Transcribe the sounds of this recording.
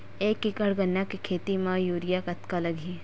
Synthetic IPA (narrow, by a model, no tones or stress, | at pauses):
eːkːɪkəɽɡɐnːakikʰeːt̪imãjuːɾɪjakɐt̪kalɐɡʱiː